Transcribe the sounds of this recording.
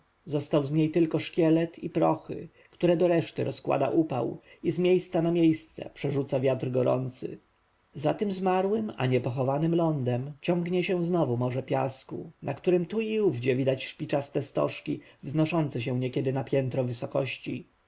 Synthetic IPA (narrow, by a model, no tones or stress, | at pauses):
zɔst̪awzɲejt̪ɘlkɔʂkʲɛlɛt̪ʰipɾɔxɘ̰ | kt̪uɾɛd̪ɔɾɛʂt̪ɘɾɔskwa̰d̪a̰ʔupa̰w | izmʲjejst̪sanamʲjejst̪sɛ̰pʂɛʐut̪savʲjat̪ɾɡɔɾɔ̰nt̪sɘ̰ | zat̪ɘmzmaɾwɘma̰ɲɛpɔxɔvanɘmlɔnd̪ɛmt͡ɕɔŋɡɲɛɕɛ̃znɔvumɔʐɛpʲja̰skṵnʔakt̪uɾɘmt̪uiuvd͡ʑɛvʲid̪at͡ɕʂpʲit͡ʂast̪ɛst̪ɔ̰ʂkʲivznɔʂɔnt̪sɛɕ̬ɛ̃ɲɛkʲɛd̪ɘnapʲjɛnt̪ɾɔvɘsɔkɔɕt͡ɕḭ